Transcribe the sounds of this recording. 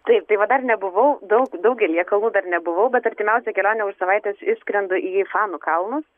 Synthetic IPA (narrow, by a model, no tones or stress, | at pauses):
t̪ɐɪp̚t̪ɐɪʋɐd̪ɐrnʲɛbʊʋɐʊd̪ɐʊkd̪ɐʊkɡʲɛlʲiɛkɐlˠnuːd̪ɐrnʲɛbʊʋɐʊbʲɛt̪ɐɾʲt̪ʲɪmʲɛʊsʲɛkʲɛlʲoːnʲɛʊʃsɐʋɐɪt̪ʲɛːsɪʃsʲkɾʲɛnd̪ʊʔiːfɑːnʊkɐlˠnʊs